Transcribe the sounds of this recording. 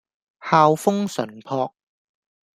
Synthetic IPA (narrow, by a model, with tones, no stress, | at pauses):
haː˧wfʊ˥ŋsɵ̰˨˩npʰɔː˧k̚